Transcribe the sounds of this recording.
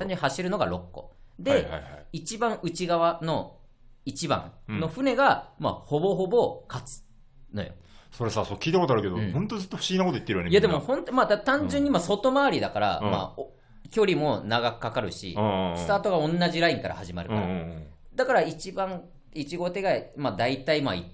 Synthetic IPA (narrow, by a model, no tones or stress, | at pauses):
ãɲd͡ʑɯɲhaɕiɾɯ̟no̞ɡaɾo̞kːo̞̰d̪e̞̰jit͡ɕibãɰ̃ʔɯ̟t͡ɕiɡaβano̞ | it͡ɕibã̰ŋno̞ɸɯ̟ne̞ɡama̰ho̞bo̞ɦo̞bo̞kat͡sɨ̥ | no̞̰jo̰ | so̞ɾesasokʲiːt̪ako̞t̪oaɾɯ̟ke̞d̪ohõnt̪ozɨt̪ːoɸɯ̟̥ɕiɡʲinakot̪oit̪ːeɯjoneijad̪emohõ̞nt̪omad̪at̪ãɲ̟d͡ʑɨ̃ɲ̟ːimaso̞t̪o̞maːɾʲid̪akaɾa̰ma̰ | kʲo̞ɾʲimo̞naɡakɯ̟̥kːakaɾɯ̟ɕḭ̃sɨt̪aːt̪o̞ɡaõ̞nːaʑiɾaĩŋkaɾa̰haʑima̰ɾɯka̰ɾã | d̪̥akaɾait͡ɕibãŋ | it͡ɕiɡo̞t̪e̞ɡamad̪ait̪aimaḭ